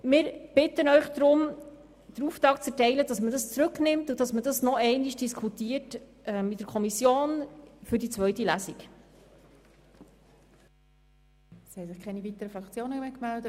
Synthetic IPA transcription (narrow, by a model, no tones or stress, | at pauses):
mɪːɾb̥ɪtənœʏχd̥ɾʊm | d̥əɾuːftɾɑːkt͡sɛɾtɛɪləd̥ɑsmədɑst͡sɾɵknɪmtudɑsmədɑsnɔɛɪniʃd̥iskʰutiːətʔɛmidəɾkʰɔmisjoːnfʏɾdit͡sʋœɥtilæsik | shɛɪsɪχkʰɛnivitəɾəfɾɑkt͡sjoːnəmekmældə